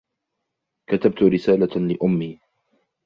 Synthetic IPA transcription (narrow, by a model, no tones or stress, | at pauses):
kat̪ab̚t̪ʊɾɪsaːlalɪʔʊmːiː